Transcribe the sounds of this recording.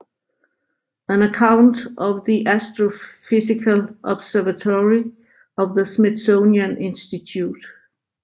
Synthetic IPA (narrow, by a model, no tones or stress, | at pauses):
æ̃nəkʰãʊ̃ntʌvðiʔæstɹofɪsɪkʰəlʔɒb̥sɛvətʰɔɹi | ʌvðəsmɪsõʊniə̃nʔɪ̃nstitʰjut